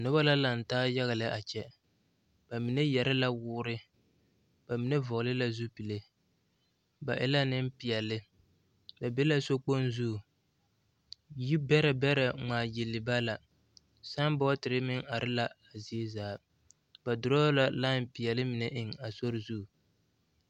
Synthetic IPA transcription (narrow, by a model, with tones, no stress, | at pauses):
nʊ˦ba˦la˦la˨n̩˨taː˦ja˦ɣa˨lɪ˦ʔa˨t͡ʃɛ˦ | b̥a˨mi˨ne˦jɛ˨ɾɪ˦la˦wʊː˦ɾɪ˦ | ba˨mi˨ne˦vʊ˨ɣlɪ˦la˦zu˦pi˨le˦ | ba̰˨ʔɪ̰˦la˦nɪ˦m˦pi˨jɛ˨lɪ˦ | ba˨be˦la˦so˦k͡po˦nzu˦˨ | ji˦bɛ˦ɾɛ˨bɛ˦ɾɛ˨ŋ͡maː˨ji˨lːɪ˨ba˦la˨ | sa˦ŋbɔ˦tɪ˨ɾɪ˦mɪ˦ŋa˨ɾʔɪ˦la˦a˨zi˨e˦zaː˨˦ | ba˨dʊ˨ɾɔ˦la˨la˦˨m˨pi˨ɛ˨lɪ˦mɪ˨nɛ˦ʔɪ˦ŋa˨so˦ɾɪ˦zu˦˨